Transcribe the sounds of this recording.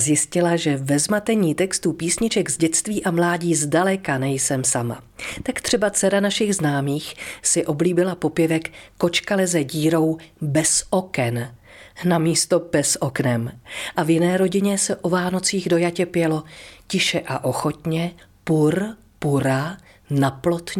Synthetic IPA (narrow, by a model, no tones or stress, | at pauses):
zjɪscɪlaʒɛvɛzmat̪ɛɲiːt̪ɛkst̪upiːsɲɪt͡ʃɛɡzɟɛt̪t͡st̪viːʔamlaːɟiːzdalɛkanɛjsɛmsama̰ | t̪akt̪r̥ɛbat͡sɛɾanaʃɪɣznaːmiːxsɪʔo̞bliːbɪlapo̞pjɛvɛkːo̞t͡ʃkalɛzɛɟiːɾo̞wbɛsʔo̞kɛn | namiːst̪o̞bɛsʔo̞knɛmʔavjɪnɛːɾo̞ɟɪɲɛsɛʔo̞vaːno̞t͡siːɣdo̞jacɛpjɛlo̞cɪʃɛʔaʔo̞xo̞t̪ɲɛpuɾ | puɾa | naplo̞t̪